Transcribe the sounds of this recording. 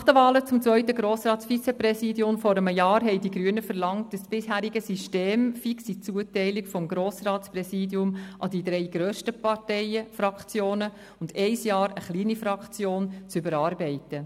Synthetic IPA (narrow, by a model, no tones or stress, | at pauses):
χtəʋɑːlət͡sʊmt͡sʋœʏtəɡɾoːsɾɑːtsfit͡sepɾɛsidjʊmfɔɾəməjɑːɾɦɛɪdiɡɾyənəfəɾlɑŋt̚əsb̥ɪsɦæːɾiɡəsyʃteːmfiksit͡suətɛɪlikfɔmɡɾoːsɾɑːtsprɛsiːdiʊmʔɑdidɾɛɪɡ̥ɾøːʃtəpɑɾtɛɪəfɾɑkt͡sjoːnə | ʊndɛɪsjɑːɾəχliːnifɾɑkt͡sjoːnt͡sʏbəɾɑːɾbɛɪtə